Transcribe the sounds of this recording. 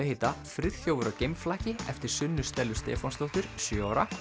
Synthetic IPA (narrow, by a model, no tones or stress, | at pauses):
ɪhejt̪afɾɪð̥θjoːwvʏɾacejmflaːcɪɛ̰ft̪ɪɾ̥sʏnːʏ̥st̪ɛlːʏst̪ɛ̰ːfɔnst̪oht̪ʏɾ̥sjœaːwɾa